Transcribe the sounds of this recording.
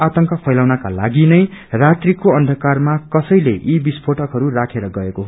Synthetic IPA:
at̪ʌŋkʌpʰʌjlawnakalaɡinʌjrat̪rikoʌnd̪ʱʌkarmakʌsʌjleʔibispʰoʈʌkɦʌɾurakʰeɾʌɡʌekoɦ

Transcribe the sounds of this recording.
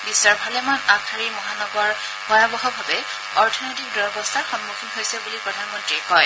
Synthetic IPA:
bisːɔɹbʱalɛmanakʰaɹimɔɦanɔɡɔɹ | bɔjabɔɦɔbʱabɛ | ɔɹtʰɔnojtik̚dɔjɔbɔst̪ʰaɹxɔnmukʰinɦojsɛbulipɹɔdʱanmɔntɹikɔj

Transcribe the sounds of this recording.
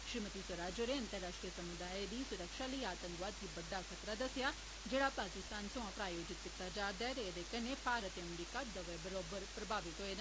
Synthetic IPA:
ʃɾiːmət̪isəɾaːd͡ʒoɾeɐ̃nt̪əɾːaːʃʈɾijəsɐmud̪aːed̪isʊɾəkʃaləiaːt̪ə̃ŋkʋaːd̪ɦibɐd̪akʰət̪ɾad̪ɐsja | d͡ʒeːɽapaːkɪst̪aːnsõãpɾaːjoːd͡ʒɪt̪̚kɪt̪ːad͡ʒaːɾd̪ɛːɾeed̪ekɐnepʰaːɾət̪eɐmɾiːkad̪ɐʋebɐɾoːbəɾpɾɐbʱaːʋɪt̪ɦoen

